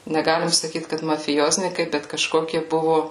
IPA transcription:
nʲɛˈɡɑːlʲɪm sɐˈkʲiːt kɐt mɐfʲɪˈjoːzʲnʲiːkɐɪ bʲɛt kɐˈʃkoːkʲiɛ ˈbʊʋʊ

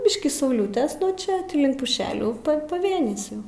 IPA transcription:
ˈbʲɪʃʲkʲiː sɐʊˈlʲʊtʲɛs nuɔ ˈt͡ʃʲɛ ˈtʲiː ˈlʲɪŋk pʊˈʃʲæːlʲuː pɐ pɐˈʋʲeːnʲɪs ˈjɛʊ

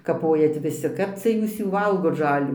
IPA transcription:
kɐˈpoːjɛt ʋʲɪˈsʲɪ ˈkɐp t͡sʲɛ ˈjuːs ˈjuː ˈʋɐlˠɡoːt ˈʒɑːlʲuː

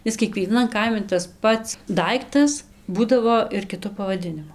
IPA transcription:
ˈɪs kʲiɛkʋʲiɛˈnɐn ˈkɐɪmʲɪ tɐs ˈpɐts ˈdɐɪktɐs ˈbuːdɐʋoː ɪr kʲɪˈtʊ pɐʋɐˈdʲɪnʲɪmʊ

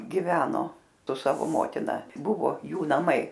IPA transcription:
ɡʲɪˈʋʲæːnoː sʊ ˈsɑːʋoː ˈmoːtʲɪnɐ ˈbʊʋoː ˈjuː nɐˈmɐɪ

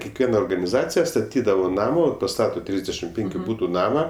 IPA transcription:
kʲɛkˈʋʲiɛnɐ oːrɡɐnʲɪˈzɑːt͡sʲɪjɛ stɐˈtʲiːdɐʋoː ˈnɑːmoː pɐˈstɑːtoː ˈtʲrʲɪzʲdʲɛʃʲɪmt ˈpʲɛŋʲkʲʊ ˈbuːtʊ ˈnɑːmɐ

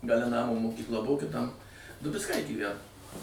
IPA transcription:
ɡɐˈlʲɛ ˈnɑːmoː moːkʲiːkˈlˠɐ ˈbʊʋoː kʲɪˈtɐm dʊbʲɪt͡sˈkɐɪ ɡʲiːˈʋʲænoː

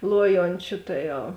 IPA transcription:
ˈlˠuɔjoːnʲt͡ʃʲʊ ˈtɐ ˌjɛʊ

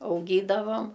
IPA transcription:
ɐʊˈɡʲiːdɐʋɐm

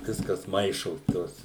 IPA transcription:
ˈʋʲɪskɐs ˈmɐɪʃoːs ˈtoːs

